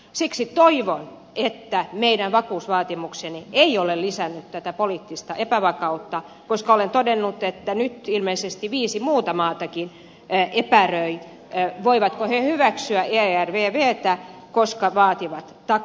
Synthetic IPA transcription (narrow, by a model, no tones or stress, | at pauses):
siksit̪oiʋon | et̪ːæmeidæʋʋɑkuːsʋɑːt̪imuksenieiolelisænːyt̪t̪æt̪æpoliːt̪ːist̪ɑʔepæʋɑkɑut̪ːɑ | koskɑolent̪odenːut̪et̪ːænyt̪ilmeisest̪iʋiːsimuːt̪ɑmɑːt̪ɑkin | epærøi | ʋoiʋɑt̪kohehyʋæksyæʔeærʋeːʋeːt̪æ | koskɑʋɑːt̪iʋɑt̪t̪ɑ